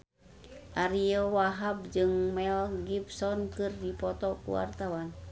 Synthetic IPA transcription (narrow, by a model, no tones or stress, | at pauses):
ʔaɾiowaɦab̚d͡ʒɨŋmɛlɡibsɔnkɨrdipɔt̪ɔkṵwa̰rt̪awan